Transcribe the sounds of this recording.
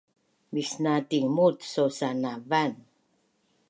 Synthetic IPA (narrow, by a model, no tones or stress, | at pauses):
misnatiŋmut̪sosanavan